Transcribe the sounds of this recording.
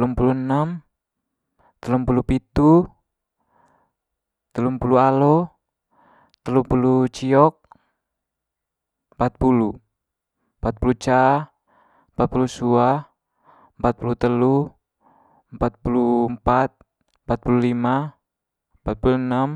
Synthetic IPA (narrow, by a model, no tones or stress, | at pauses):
lumpulunam | t̪əlumpulupit̪u | t̪əlumpulualɔ | t̪əlupulut͡ʃiɔk̚ | mpat̪̚pulu | mpat̪̚pulut͡ʃa | əmpat̪̚pulusua | mpat̪̚pulut̪əlu | mpat̪̚pulumpat̪̚ | mpat̪̚pululima | mpat̪̚pulunam